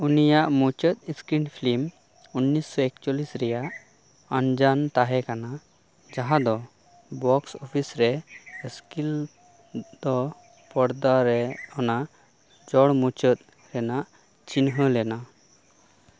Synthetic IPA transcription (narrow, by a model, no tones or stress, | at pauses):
unijaʔmut͡ʃət̪̚iskɾinpʰlim | unːisːɔek̚t͡ʃɔlisɾɛjaʔ | and͡ʒant̪aɦɛkana | d͡ʒaɦãd̪ɔ | bɔksɔpʰisɾɛskil | d̪̥ɔ | pɔɽd̪aɾɛɔna | d͡ʒɔɽmut͡ʃət̪̚ | ɾɛnaʔ | t͡ʃinɦəlɛna